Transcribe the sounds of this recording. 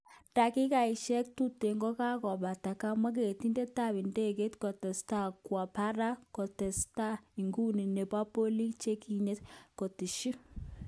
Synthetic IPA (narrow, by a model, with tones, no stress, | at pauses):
ta˨ki˦ka˨i˨ʃɛ˦k̚tu˦te˨ŋɡɔ˦ka˦kɔ˨ba˨ta˨ka˦ma˦k̬e˨ti˦nde˦ta˦˨bi˨nde˦ke˦tkɔ˨tɛ˨sta˦˨kwa˨pa˦ɾa˦kɔ˨tɛ˨sta˦i˨ŋɡu˦ni˨ne˨pa˦po˦li˦kt͡ʃe˦ki˦ɲe˦t̚ko˨ti˨ʃi˦